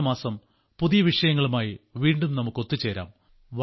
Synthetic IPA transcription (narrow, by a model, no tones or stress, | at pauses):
maːsɐm | puðijɐʋiʂɐjɐŋːɐɭumaːjiʋiːɳɖumnɐmukːo̞t̪ːut͡ɕːe̞ːɾa̰ːm | ʋɐ